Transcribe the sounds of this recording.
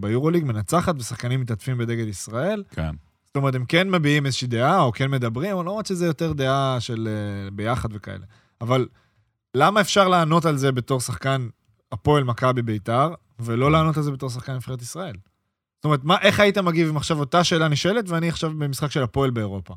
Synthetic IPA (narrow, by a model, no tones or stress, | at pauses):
bejuʁo̞liɡme̞nat͡saχat̪vesaχkanimːit̪atfimbe̞d̪e̞ɡe̞d̪isʁae̞lkʰḛn | stome̞ʁt̪̬emke̞nmebiimezeʃid̪eao̞kenme̞d̪abʁimalomʁat̪ʃezejo̞teʁd̪e̞aʃe̞lebe̞jaχad̪ve̞kaḛle | avalː | amaefʃaʁlaːno̞talze̞be̞to̞ʁsaχkan | apo̞elmakabibe̞itaʁ | velo̞laːno̞t̪alze̞be̞t̪o̞ʁs̬aχkanmifχe̞et̪isʁae̞l | stome̞ʁet̪̬maʔe̞χaitemaɡivimaχʃavo̞t̪aʃe̞ːlaniʃoeletveaniaχʃavbemisχakʃe̞lapo̞elbe̞ːʁo̞pa